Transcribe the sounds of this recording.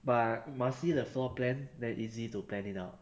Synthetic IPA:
batmasidəflɔplɛ̃ndɛ̃nʔizituplɛ̃nitaʊt̚

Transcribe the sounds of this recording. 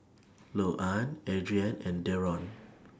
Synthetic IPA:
loʔãnɛdɹiãnɛ̃ndɛɹɔ̃n

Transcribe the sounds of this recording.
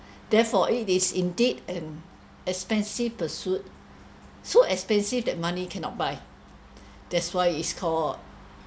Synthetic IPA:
d̥ɛfɔʔitisĩndidɛ̃n | ɛkspɛ̃nsifpəsjut̚ | soɛkspɛ̃nsivdɛt̚mãnikʰɛ̃nɔ̰t̚baɪ | d̥ɛtswaɪiskʰɔlt̚

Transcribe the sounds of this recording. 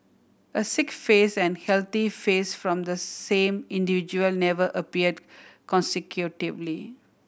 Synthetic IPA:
əsɪkfeːsɛ̃nhɛlt̪ifeːsfɾɔ̃md̪əsẽmɪ̃nɖivid͡ʒuəlnɛʋəʔəpiəɖkɔ̃nsɪkʰjuʈivli

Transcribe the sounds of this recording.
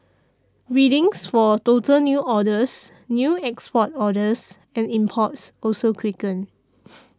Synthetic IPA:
ɹidɪ̃ŋsfɔtotəlnjuʔɔdəsnjuɛkspɔtɔdəs | ɛ̃nĩmpʰɔtsɔlsokʰwikə̃n

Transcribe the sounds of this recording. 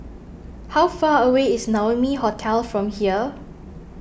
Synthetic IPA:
hawfaːəweɪsnawəmiɦɔtʰɛlfɹɔ̃mhiə

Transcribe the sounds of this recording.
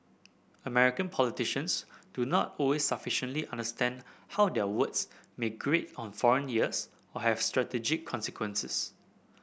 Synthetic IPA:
əmɛɹikə̃npʰɔlitiʃə̃nsd̥unɔtɔlwesːafiʃə̃ntliʔãndəstɛ̃ndhawdɛəwətsmeɡɹetɔ̃nfɔɹə̃njiəs | ɔhɛv̥stɹatɛd͡ʒɪkʰːɔ̃nsikʰwə̃nsɪs

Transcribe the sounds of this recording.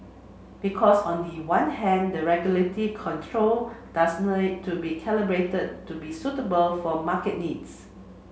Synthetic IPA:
b̥ikʰɔsɔ̃ndiwãnhɛ̃ndəɹɛɡjulətikʰɔ̃ntʰɹold̥asnitʰːubikʰɛləbɹetəd̚tːubisutəbəlfɔmakət̚nids

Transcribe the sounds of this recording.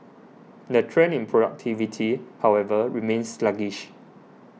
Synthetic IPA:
dətʰɹɛ̃nĩnpʰɹodak̚tʰivitʰihawɛvəɹimẽnsːlaɡiʃ

